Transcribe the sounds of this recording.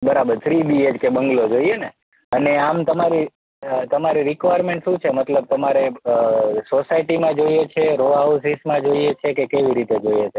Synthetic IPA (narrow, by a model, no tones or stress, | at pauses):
bəɾabəɾt̪ʰɾibied͡ʒkebə̃ŋɡlod͡ʒoiene | əneamt̪əmaɾi | ət̪əmaɾiɾikʋajɾmẽɳʈʃũt͡ʃʰemət̪ləb̚t̪əmaɾeəsosaiʈimãd͡ʒoiet͡ʃʰeɾoausismãd͡ʒoiet͡ʃʰekekeʋiɾit̪ed͡ʒoijet͡ʃʰe